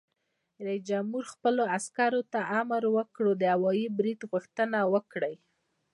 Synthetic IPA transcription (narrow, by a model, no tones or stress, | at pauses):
ɾaisd͡ʒamhuɾxpəloaskɑɾot̪aʔamɾwəkɽod̪əhawɑjibɾid̪ɣuxt̪ənawəkɽəj